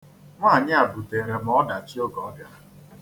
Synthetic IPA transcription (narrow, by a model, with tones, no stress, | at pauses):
ŋʷa˦˨ɲɪ˦a˨bu˨te˨ɾe˨m˨ɔ˦da˨t͡ʃi˦o˦ɡɔ˨˦ɡa˨